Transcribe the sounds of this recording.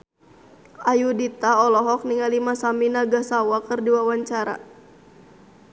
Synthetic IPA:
ʔajudit̪aɔlɔɦɔk̚niŋalimasaminaɡasawakɨrdiwawaɲt͡ʃaɾa̰

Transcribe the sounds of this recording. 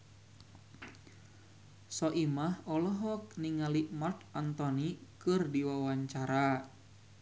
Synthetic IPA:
sɔʔimahɔlɔɦɔk̚niŋalimart̪ant̪ɔnikɨrdiwawaɲt͡ʃaɾa

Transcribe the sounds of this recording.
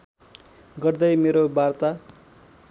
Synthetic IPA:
ɡʌrd̪ʌjmeɾobart̪a

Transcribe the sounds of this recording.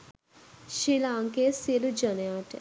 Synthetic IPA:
ʃilaːŋkesiəlud͡ʒəneaʈ

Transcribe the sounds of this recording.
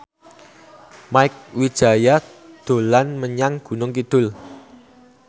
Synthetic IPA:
maɪk̚wid̥ʒ̥a̤ja | d̪̥o̤lanməɲaŋɡ̥ṳnʊŋkid̪̥ʊ̤l

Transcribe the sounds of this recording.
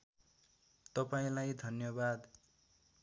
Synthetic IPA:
t̪ʌpaĩlajd̪ʱʌnjʌbad̪

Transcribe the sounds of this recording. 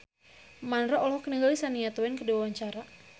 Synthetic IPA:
manɾɔɔlɦɔkənəɡalisaniat̪ɔwɛnkəduawaɲt͡ʃaɾa

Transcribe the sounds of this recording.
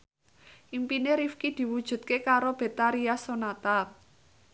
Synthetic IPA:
ʔimpineɾifkid̪̥i̤wud̥ʒ̥ṳt̪̚kekaɾob̥e̤t̪aɾiasonat̪a

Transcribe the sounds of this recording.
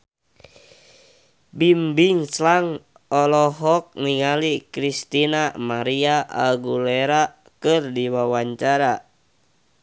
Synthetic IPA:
bimbiŋslaŋ | ɔlɔɦɔk̚niŋalikɾist̪inamaɾiaʔa̰lɡuleɾa | kɨrdiwawaɲt͡ʃaɾa

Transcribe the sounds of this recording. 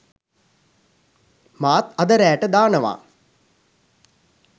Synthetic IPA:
maːt̪ɐd̪əɾæːʈəd̪aːnəʋa̰ː

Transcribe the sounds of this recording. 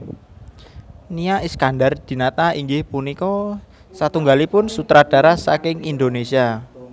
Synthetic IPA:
niaiskandard̪̥i̤nat̪aiŋɡɪhpunikɔ | sat̪uŋɡalipʊnsut̪ɾad̥a̤ɾasakɪŋind̪onesia

